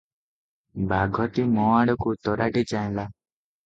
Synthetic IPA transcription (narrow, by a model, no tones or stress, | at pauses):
bʱaɡʱɔt̪imɔaɽɔkut̪ɔɾaʈit͡ʃaẽla